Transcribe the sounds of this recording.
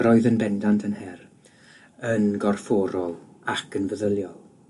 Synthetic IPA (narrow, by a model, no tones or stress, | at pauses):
rɔɨðənbɛndantʰənhɛr | ənɡɔrfɔːɾɔlˠakʰənvəðəlˠjɔlˠ